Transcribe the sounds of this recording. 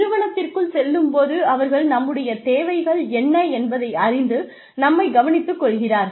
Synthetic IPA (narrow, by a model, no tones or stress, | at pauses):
ɪɾɯʋɐɳɐt̪ːɪrkɯɭsɛlːɯmpoːðɯɐʋɐɾɣɐɭnɐmːɯɽɐjɐt̪eːʋɐɪɣɐɭɛnːɐɛnbɐðɐɪɐrɪnd̪ɯ | nɐmːɐɪɡɐʋɐnɪt̪ːɯkːɔɭɣɪraːɾ